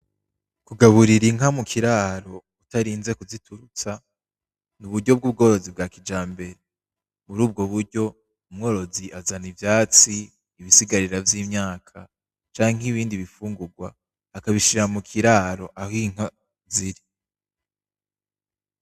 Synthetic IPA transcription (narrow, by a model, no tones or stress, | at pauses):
kuɡaβuɾiɾiŋamukʰiɾaːɾo̞ | utaɾiːnze̞kuzitʰuɾut͡sa | nuβudɟo̞b̚ɡuːb̚ɡo̞ːɾo̞zib̚ɡaːkid͡ʒaːmbe̞ɾe | βuɾuːb̚ɡo̞βuɾɟo̞ | umŋo̞ːɾo̞ziʔazanivjaːt͡siː | βisiɡaɾiɾavjiːmɲaːkʰa | t͡ʃaːŋ̥ɦiβiːndiβifuːŋɡuɡwa̰ː | kaβiʃiɾamukʰiɾaːɾo̞ʔaɦiŋ̥a | ziɾi